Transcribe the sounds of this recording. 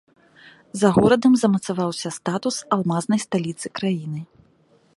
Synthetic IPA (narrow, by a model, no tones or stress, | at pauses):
zɐɣɔɾɐd̪ɐmzɐmɐt̪savawsʲɐst̪at̪usalˠmaznɐjst̪alʲit̪sɨkɾajinɨ